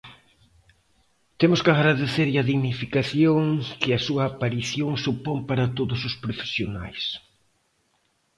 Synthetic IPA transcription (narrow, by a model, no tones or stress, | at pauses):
t̪emʊskaɣɾaðeθeɾɐðiɣnifikaθjoŋkɪɐsuɐːpaɾiθjoŋsupompaɾɐt̪oðʊsʊspɾofe̥sjona̰js